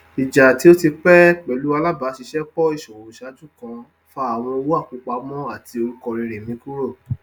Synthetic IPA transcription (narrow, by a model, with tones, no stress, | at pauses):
i˨d͡ʒa˨ti˨˦o˦ti˧k͡pɛ˦k͡pɛ˨˦lu˨˦a˧la˦ba˨˦ʃi˧˦ʃɛ˦k͡pɔ˦i˦˨ʃɔ˨wo˨˦ʃa˨˦d͡ʒũ˦˨kã˧ | fa˦a˨w̃ɔ̃˧wo˦a˦˨k͡pu˨˧˦k͡pa˨˦mɔ̃˦a˦˨ti˧o˧ɾu˦kɔ˧ɾi˧ɾe˨mĩ˨˦ku˦ɾo˦˨